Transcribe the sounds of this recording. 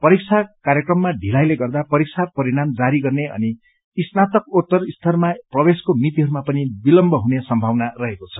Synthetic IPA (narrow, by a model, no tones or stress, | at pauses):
pʌɾik̚t͡sʰakaɾjekrʌmːaɖʱilajleɡʌrd̪apʌɾik̚t͡sʰapʌɾiɽ̃amd͡zaɾiɡʌrneʌ̰niː | snat̪ʌkot̪ːʌrist̪ʰʌrmaprʌbeskomit̪iɦʌɾumapʌnibilʌmbʱʌɦunesʌmbʱawnarʌɦekot͡sʰʌ̥